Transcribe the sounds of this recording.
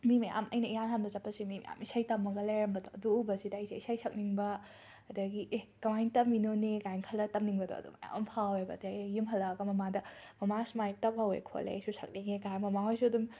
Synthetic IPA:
mimeja̰mɐ̰jnɐijanɦanbɐzɐpʰːɐsimimḛja̰misajtɐmːɐɡɐlajɾɐmbɐdɔɐduubɐsidajsʰeisajsʰɐk̚niŋbɐ | ɐdɐɡiʔekɐmajntɐmːinoneɡajŋkʰɐlɐtɐmniŋbɐdɔ̰ɐ̰dṵma̰j̰ɐ̰mpʰawebɐ̰deejumɦɐlːɐɡɐmɐmadɐmɐmasmajtɐp̚hɐwḛkʰo̰lḛsusɐk̚niŋeɡaɾmɐmaɦojsuɐdum

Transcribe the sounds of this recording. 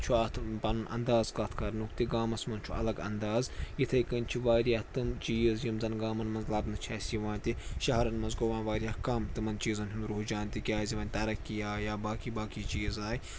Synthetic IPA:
t͡ʃʰuaːt̪ʰpɐnɐnʔɐ̰nd̪aːzkɐt̪ʰkʰɐɾnukt̪iɡaːmɐsmɐnt͡ʃʰuɐ̰lɐɡɐ̰nd̪aːzjit̪ʰɐjkɐnʲt͡ʃʰiʋaːɾijɐht̪ɨmt͡ʃiːzjimzɐnɡaːmɐnmɐnzlɐbnɨt͡ʃʰaːsiʋãːnʲt̪iʃɐɦɐɾɐnmɐnzɡoʋãːnʋaːɾijɐhkɐmt̪ɨmɐnt͡ʃiːzɐnɦʲunɾuɦd͡ʒaːnʲt̪ʲikʲaːzʲiʋɐːnʲt̪ɐɾɐkːijaːjaːbaːkibaːkit͡ʃiːzaːj

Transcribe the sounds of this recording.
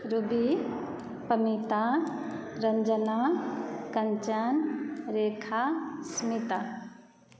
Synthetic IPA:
ɾubi | pɐmit̪a | ɾɐɲd͡ʒənakɐɲt͡ʃanɾeːkʰasmit̪a

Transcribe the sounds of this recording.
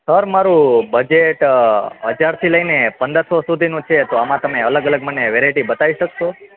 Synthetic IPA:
səɾmaɾũbəd͡ʒeʈɦəd͡ʒaɾt̪ʰiləjnepənd̪əɾsosud̪ʱinũt͡ʃʰet̪oamãt̪əmeələɡələɡməneʋeɾajʈibət̪aʋiʃəkʃo

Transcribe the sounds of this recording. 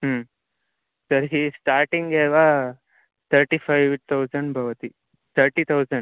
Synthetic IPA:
ɦm | sɐɾɦiːsʈaːɾʈĩŋɡɛːʋa | t̪ʰɐɾʈipʰajʋt̪ʰɐwd͡ʒɐɳɖbʱɐʋɐt̪i | t̪ʰɐɾʈit̪ʰɐwd͡ʒɐɳɖ

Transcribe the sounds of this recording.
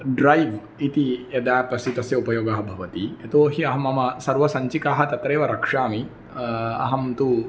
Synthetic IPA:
ɖɾajʋ | it̪ijɐd̪aːpɾɐsit̪ɐsjɐupɐjoːɡaːɦɐbʱɐʋɐt̪iɐt̪oːɦiɐɦɐmɐmɐsɐɾʋɐsɐɲt͡ʃikaːɦɐt̪ɐt̪ɾeːʋɐɾɐkʂaːmi | ɐ̰ɦɐmt̪u

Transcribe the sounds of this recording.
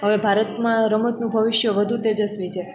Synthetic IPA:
ɦəʋebʱaɾət̪mãɾəmət̪nũbʱəʋɪʃjəʋəd̪ʱut̪ed͡ʒəsʋit͡ʃʰe

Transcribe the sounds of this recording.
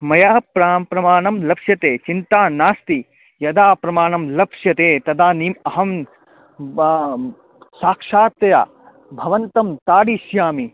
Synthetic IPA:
mɐjaːpɾaːmpɾɐmaːɳɐmlɐpʂjɐt̪eːt͡ʃint̪aːnaːst̪i | jɐd̪aːpɾɐmaːɳɐmlɐpʂjɐt̪eːt̪ɐd̪aːniːmɐɦɐm | saːkʂaːt̪ɐja̰ː | bʱɐʋɐnt̪ɐmt̪aːɽiʃjaːmi

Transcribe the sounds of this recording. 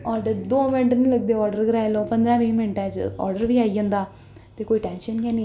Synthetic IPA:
ɔːɾɖəɾd̪oːmɪ̃ɳʈnĩːləɡ̚d̪eːɔːɾɖəɾɡɾaːjloːpə̃nd̪ɾãːʋĩːmɪɳʈɛ̃ːd͡ʒ̰ɔ̰ːɾɖəɾʋiːaːiːd͡ʒãːnd̪aː | t̪eːkoːiːʈɛ̃ːnʃənɡɛːniː

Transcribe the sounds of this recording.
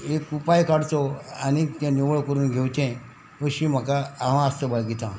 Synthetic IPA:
ekupajkaɽt͡sɔanit̪jãniʋəɭkəɾuːnɡʱewt͡ɕẽ | əɕĩm̤əkaaʋ̤ãast̪əbəɭɡit̪ã

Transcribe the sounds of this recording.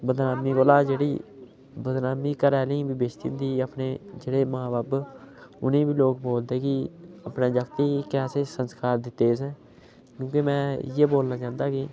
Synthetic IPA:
bəd̪naːmiːkoːlaːd͡ʒeːɽiː | bəd̪naːmiːkəɾɛːlĩːbibeːʃt̪ḭnd̪iːəpneːd͡ʒeːɽeːmaːbaːb | ʊ̰nẽːbiːloːk̚boːld̪eːkɪəpnẽːd͡ʒəkt̪iːkɛːseːsənskaːɾd̪ɪt̪ːeːsɛ̃ː | kjõːkemɛ̃ːjeːboːlnaːt͡ʃãːnd̪aːkɪ

